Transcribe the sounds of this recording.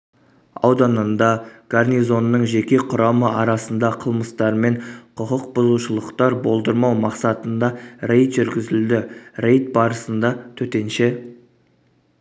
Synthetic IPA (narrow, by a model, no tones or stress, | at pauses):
ɑ̰wd̪ɑnənd̪ɑɡ̥arnizo̞nːəɴʒe̞kʲe̞qʰʊɾɑməʔɑɾɑsənd̪ɑqʰəlˠməst̪ɑɾme̞ɴqʰʊqəq̚bʊzuʃəlˠəqt̪ɑɾbo̞lˠd̪əɾmɑwmɑqsɑt̪ənd̪ɑɾe̞jt̪ʒʏɾɡʲɪzɪld̪ɪɾe̞jt̪̚bɑɾəsənd̪ɑt̪ʰɵt̪e̞nʃe